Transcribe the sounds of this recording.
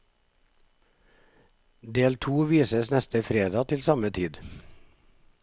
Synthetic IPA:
d̪eːlt̪ʰuːʋiːsəsnɛst̪əfɾeːd̪ɑːt̪ʰɪlsɑmət̪ʰiːd̪

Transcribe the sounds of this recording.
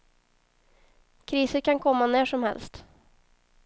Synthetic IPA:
kʰɾiːsəɾkʰankʰɔmːanæːʂɔmhɛ̰lst̪

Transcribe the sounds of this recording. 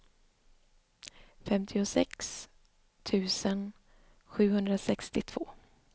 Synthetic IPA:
fɛmt̪ʰɪʊsɛks | t̪ʰʉ̟ːsən | ɧʉ̟ːhɵnd̪ɾasɛkst̪ɪt̪ʰv̥oː

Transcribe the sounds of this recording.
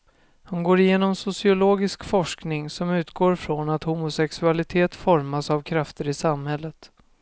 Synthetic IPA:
hanɡoːɾɪjeːnɔmsʊsɪʊloːɡɪskfɔʂknɪŋsɔmʉ̟ːt̪ɡoːɾfɾɔnat̪hʊmʊsɛksɵalɪt̪ʰeːt̪fɔɾmasavkʰɾaft̪əɾɪsamhɛlːət̪

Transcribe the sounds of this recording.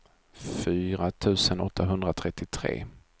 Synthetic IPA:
fyːɾat̪ʰʉ̟ːsənɔt̪ːaɦɵnd̪ɾat̪ʰɾɛt̪ːɪt̪ʰɾḛː

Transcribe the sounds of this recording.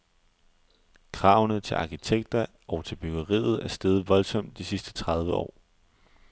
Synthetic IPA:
kʰʁɑ̈ʊnət͡sʰe̝lʔɑ̈kit͡sʰeɡ̥̚d̥ɐ | ʔɒʊt͡sʰe̝lb̥yɡ̥ɐʁḭːð̞̩ˠæɐsd̥eːð̞ˠʋɒ̽lsɒ̽m̰d̥isisd̥ə̥t͡sʰʁɑ̈ð̞ˠʋəɒ̰ː

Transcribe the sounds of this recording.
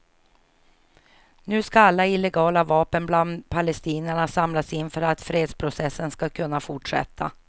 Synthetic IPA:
nʉ̟ːskaalːaɪlːɛɡɑːlavɑːpənbland̪pʰalɛst̪iːnəɳasamlasɪnːfœɾat̪fɾeːd̪spʰɾʊsɛsːənskakʰɵnːafʊʈʂɛ̰t̪ʰːa̰

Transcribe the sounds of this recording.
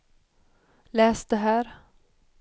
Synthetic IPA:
lɛːsd̪̥ɛɦæːɾ

